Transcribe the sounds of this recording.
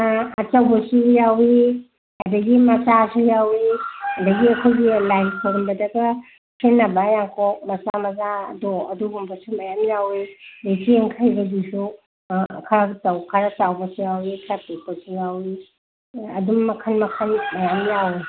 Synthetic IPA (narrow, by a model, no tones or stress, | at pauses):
ɐt͡ʃɐwbɐsujawi | hadɐɡimɐt͡ʃasujawiɐdɐɡiɐkʰojɡilajnkʰoɾmbɐdɐɡɐ | kʰenːɐbajaŋkʰɔk̚mɐt͡ʃamɐza̰doɐduɡumbɐsumɐjamjawilesieŋkʰajbɐɡisu | kʰaɾaɡtɐwkʰaɾɐt͡ʃawbɐsujawikʰɾapeposujawi | ɐ̰dumːɐkʰɐnmɐkʰɐnmɐjamjawi